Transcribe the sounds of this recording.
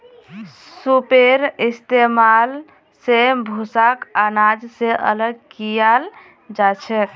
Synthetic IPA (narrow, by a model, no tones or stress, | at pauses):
supeɾist̪emal | sebʱusakanad͡ʒseʔə̰ləɡkijal | d͡ʒat͡ʃʰɛk